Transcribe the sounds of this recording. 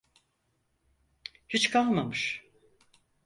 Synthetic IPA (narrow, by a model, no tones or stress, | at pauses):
hit͡ʃkʰalˠmamɯʃ